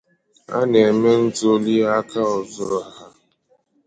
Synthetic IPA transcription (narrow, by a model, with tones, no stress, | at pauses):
a̰˦ne˨e˨me˦n̩˦to˦li˦a˦ka˦ɔ˨zʊ˦ɾʊ˨a˨ɦa˦